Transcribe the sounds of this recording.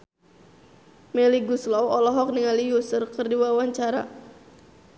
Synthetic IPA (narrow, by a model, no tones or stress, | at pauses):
mɛliɡuslɔwɔlɔɦɔk̚niŋalijusʊrkərdiwawaɲt͡ʃaɾa̰